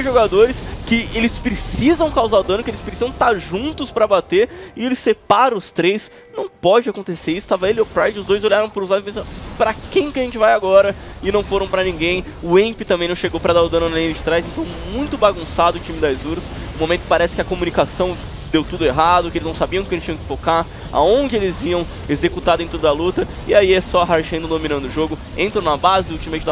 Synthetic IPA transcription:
ʒoɡad̪oɾɪskɪelɪspɾɪsizɐ̃w̃kawzaɾʊd̪ɐ̃nʊkɪelɪspɾɪsizɐ̃w̃t̪aɾʒũnt̪ʊspɾɐbat̪eɾɪelɪsepaɾɐ̃ʊst̪ɾejs | nɐ̃w̃pɔd͡ʒɪakõnt̪eseɾisʊ̥t̪avɐelɪʊpɾajd͡ʒɪʊzd̪ojzolʎaɾɐ̃w̃pʊɾuzavɪpẽsɐ̃pɾɐkẽj̃kʲɪɐʒẽnt͡ʃɪvajaɡɔɾɐɪnɐ̃w̃foɾɐ̃w̃pɾɐnĩɡẽj̃ | ʊẽpɪt̪ɐ̃mbẽj̃nɐ̃ʃeɡowpɾɐd̪aʊd̪ɐ̃nʊnẽd͡ʒɪt̪ɾajzẽnt̪ɐ̃w̃mũj̃t̪ʊbaɡũsad̪ʊːt͡ʃĩmɪd̪ajzuɾɐs | ʊmõmẽnt̪ʊpaɾɛsɪkɪɐkomunikasɐ̃w̃ | d̪ewt̪ud̪ʊeɦad̪ʊkɪelɪznɐ̃w̃sabiɐ̃kɪelɪst͡ʃĩɲɐ̃kɪ̥fokaɾ | a̰õd͡ʒɪelɪziɐ̃w̃ | ezekut̪ad̪ʊẽt̪ɾʊd̪ɐlut̪ɐ | ɪaiɛsɔaɦaɾʒɐ̃nd̪ʊd̪ominɐ̃nd̪ʊʊʒoɡʊ | ẽnt̪ɾɐ̃w̃ñɐbazɪult͡ʃimɐejt͡ʃɪd̪

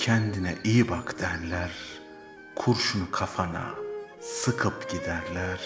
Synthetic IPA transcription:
cʰɛnd̪inɛʔijibakt̪ʰæɾlʲæɾ | kʰuɾʃunukʰafana̰ | sɯkʰɯpɟ̥id̪æɾlʲæɾ̥

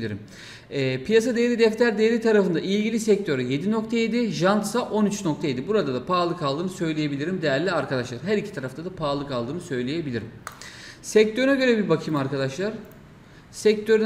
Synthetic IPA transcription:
iɾḭmː | pʰijas̬ad̪eelʲid̪ɛft̪ʰʲæɾd̪ejelʲit̪ʰaɾafɯnd̪aʔilʲɟilʲisɛc̚t̪ʰø̞ɾje̞d̪ino̞k̚t̪ʰajed̪ɪʒant̪saʔo̞nyt͡ʃnok̚t̪ʰajed̪ibuɾad̪ad̪apʰaːlˠɯkalˠd̪ɯːnɯsø̞jlʲeje̞bilʲiɾimd̪e̞jæɾlʲiaɾkad̪aʃlˠaɾɦæɾicʰi̥t̪ʰaɾaft̪ʰad̪apʰaːlˠɯkalˠd̪ɯːnɯsø̞jlʲeje̞bilʲiɾḭm | sɛc̚t̪ʰøɾynaɟø̞ɾɛbibakʰɯmaɾkad̪aʃlˠaɾ̥ | sɛc̚t̪ʰø̞ɾy

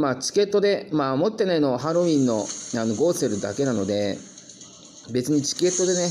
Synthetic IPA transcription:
maːt͡ɕi̥ke̞t̪ːo̞d̪e̞maːmo̞t̪ːe̞naino̞ɦaɾo̞ĩnːo̞ano̞ɡo̞seɾɯ̟d̪a̰ke̞nano̞d̪e̞ | be̞t͡sɨɲ̟it͡ɕi̥ke̞t̪ːo̞d̪e̞ne

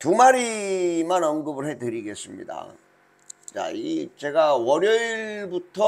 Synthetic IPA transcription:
tumaɾimanʌŋɡɯbɯɭɦe̞tɯɾiɡe̞s͈ɯmɲḭda̰ | t͡ɕa̰it͡ɕe̞ɡawʌɾjʌiɭbutʰʌ

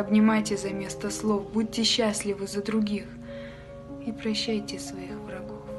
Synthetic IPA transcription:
ɐbnʲɪmajtʲɪzɐmʲe̞st̪əslˠofbud̚ʲtʲːɪɕːasʲlʲɪvɨzəd̪ɾʊɡʲix | ipɾɐɕːæjtʲɪsvɐixvɾɐɡof

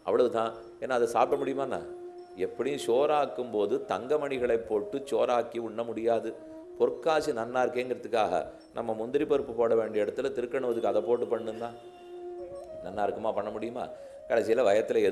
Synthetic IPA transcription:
ʔɐpːɐɭɐʋɯt̪ãː | ɛnːaːðɐsaːp̚ʈɐmʊɽɪjɯmaːnːa̰ː | ɛpːɐɽɪjɯ̃ʂoːɾaːkːɯmpoːðɯt̪ɐŋɡɐmɐɳɪɣɐɭɐɪpːoːʈːɯt͡ʃoːɾaːkːiʊɳːɐmʊɽɪjaːðɯ | pɔɾɯkːaːt͡ʃɯnɐnːaːɪɾɯkːeːŋɡɐɾɐðɯkːa̰ːɣɐ̰ | nɐ̰mːɐmʊnd̪ɪɾɪpɔɾɯpːɯpoːɽɐʋeːɳɖɪɐɛɽɐt̪ːɯlɐt̪ɪɾɯkːɐɳɯʋɐðɯkːɯɐðɐpoːʈːɯpɐɳːɯnd̪ãː | nɐnːaːɪɾɯkːɐmaːpɐɳːɐmʊɽɪjɯma̰ː | kɐɽɛsɪjɐlɐʋɐjɐt̪ːɪlɐɛ

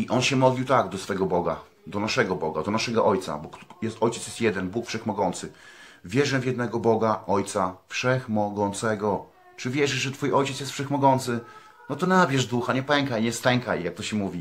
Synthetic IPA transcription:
iʔɔnɕɛmɔd̪lʲiwt̪aɡd̪ɔsfɛɡɔbɔɡa̰ | d̪ɔnaʂɛɡɔbɔɡa̰d̪ɔnaʂɛɡɔʔɔjt̪sa̰bɔkjɛst̪ɔjt͡ɕɛt̪sjɛst̪jɛd̪ɛnbukfʂɛxmɔɡɔnt̪sɘvʲjɛʐɛvjɛd̪nɛɡɔbɔɡaʔɔjt̪safʂɛxmɔɡɔnt̪sɛɡɔ | t͡ʂɘvʲjɛʐɘʂʐɛt̪fujʔɔjt͡ɕɛt̪sjɛst̪fʂɛxmɔɡɔnt̪sɘ | nɔt̪ɔnabʲjɛʐd̪uxaɲɛpɛŋkajɲɛst̪ɛŋkajjak̚t̪ɔɕɛmuvʲi

